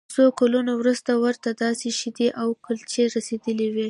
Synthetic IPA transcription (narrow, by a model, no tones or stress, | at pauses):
sokalunowɾust̪awəɾt̪ad̪ɑseʃid̪iʔawkəlt͡ʃeɾased̪əliwi